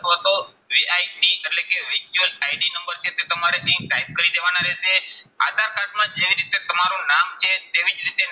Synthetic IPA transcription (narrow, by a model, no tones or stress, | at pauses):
t̪ɦot̪o | ʋiajʈieʈlekeʋɪɾt͡ʃuəlajɖinəmbəɾt͡ʃʰet̪et̪əmaɾeʔẽk̚d̪ajb̚kəɾid̪eʋanaɾesea̰ːd̪ʱaɾkat̪mãd͡ʒeʋiɾit̪et̪əmaɾũnamt͡ʃʰet̪eʋĩd͡ʒɾit̪e